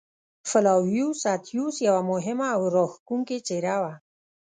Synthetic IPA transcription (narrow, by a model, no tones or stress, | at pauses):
fɪlawjusat̪ʰjusjawamʊɦɪmaːwɾoxkuŋket͡ʃeɾawa